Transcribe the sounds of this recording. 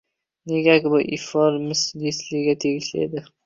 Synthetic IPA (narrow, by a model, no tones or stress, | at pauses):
neɡʲakʲɪbɪʔifoɾmɪslislɪɡʲat̪ʰeɡʲɪʃlḛd̪ɪ